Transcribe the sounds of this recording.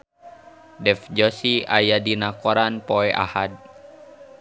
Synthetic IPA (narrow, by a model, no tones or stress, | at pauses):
dɛfd͡ʒɔsiʔajadinakɔɾanpoɛʔa̰had̚